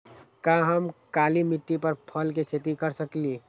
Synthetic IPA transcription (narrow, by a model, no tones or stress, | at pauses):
kãɦəmkalimiʈːipəɾpʰəlkekʰet̪ikəɾsəkli